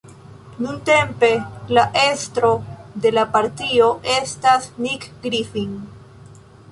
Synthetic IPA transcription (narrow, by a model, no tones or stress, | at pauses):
nunte̞mpe̞laʔe̞stɾo̞de̞lapaɾtio̞ʔe̞stasnikɡɾifiŋ